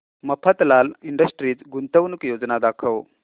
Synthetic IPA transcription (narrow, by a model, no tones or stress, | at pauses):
məpʰət̪laliɳɖəsʈɾiːt͡sɡunt̪əʋnukjod͡znad̪akʰəʋ